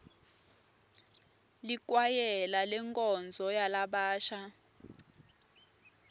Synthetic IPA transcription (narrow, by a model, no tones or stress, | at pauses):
lik̬ʼwajɛlalɛŋkʼɔnd͡zʱɔjalaɓaːʃa